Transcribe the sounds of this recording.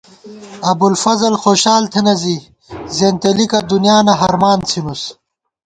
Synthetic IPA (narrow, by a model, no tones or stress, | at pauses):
ɐbulfɐzɐlxoːɕaːlt̪ʰenɐzi | zeːnt̪elikɐd̪unijaːnɐɦɐɾmaːnt͡sʰinus